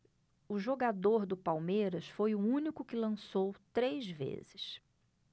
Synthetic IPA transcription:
ʊʒoɡad̪oɾd̪ʊpawmejɾɐsfojʊũnikʊkɪlɐ̃sowt̪ɾejzvḛzɪs

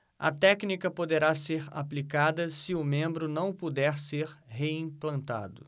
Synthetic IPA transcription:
ɐ̰t̪ɛknikɐpod̪eɾaseɾa̰plikad̪ɐsɪʊmẽmbɾʊnɐ̃w̃pud̪ɛɾseɾɦeĩplɐ̃nt̪a̰d̪ʊ

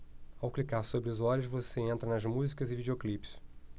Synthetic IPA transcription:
awklikaɾsobɾɪʊzɔlʊʃvoseẽnt̪ɾɐnɐzmuzikɐzɪvid͡ʒeoklipɪ̥s

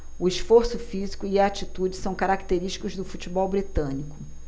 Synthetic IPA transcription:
ʊiʃfoɾsʊfizikʊiaːt͡ʃit̪ud͡ʒɪsɐ̃w̃kaɾakt̪eɾiʃt͡ʃi̥kʊzd̪ʊfut͡ʃibɔwbɾit̪ɐ̃nikʊ̥

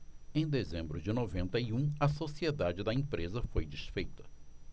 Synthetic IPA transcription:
ẽj̃d̪ezẽmbɾʊd͡ʒɪnovẽnt̪ɐiũɐsosied̪ad͡ʒɪd̪ɐẽpɾezɐfojd͡ʒisfejt̪ɐ̥

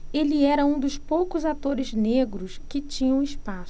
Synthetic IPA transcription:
elɪɛɾɐũd̪ʊspowkʊzat̪oɾɪzneɡɾʊskɪt͡ʃĩɲɐ̃w̃ɪspasʊ

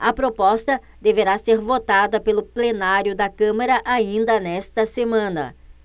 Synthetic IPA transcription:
ɐpɾopɔst̪ɐ | d̪eveɾaseɾvot̪ad̪ɐpelʊplenaɾjʊd̪ɐkɐ̃mɐɾɐʔaĩnd̪ɐnɛst̪ɐsemɐ̃nɐ̰

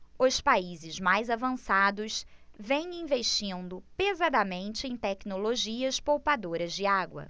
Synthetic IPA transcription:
ʊspaizɪzmajzavɐ̃sad̪ʊsvẽj̃ĩveʃt͡ʃĩnd̪ʊpezad̪ɐmẽnt͡ʃɪẽj̃t̪ɛknoloʒiɐspowpad̪oɾɐzd͡ʒɪaɡwɐ̰

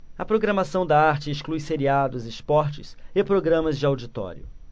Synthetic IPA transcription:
ɐpɾoɡɾɐmasɐ̃w̃d̪ɐaɾt͡ʃɪːsklujseɾiad̪ʊzɪspɔɾt͡ʃɪ̰sɪpɾoɡɾɐ̃mɐzd͡ʒɪawd͡ʒit̪ɔ̰ɾjʊ̰

